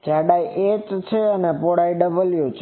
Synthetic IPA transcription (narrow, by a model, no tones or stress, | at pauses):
t͡ʃaɖaiʔet͡ʃt͡ʃʰeənepoɽaiɖəbʱəljut͡ʃʰ